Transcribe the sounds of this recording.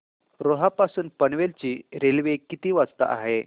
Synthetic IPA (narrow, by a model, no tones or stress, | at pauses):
ɾoɦapasuːnpəɳʋelt͡ɕiːɾelʋekit̪iːʋat͡st̪a̰ʔa̰ɦe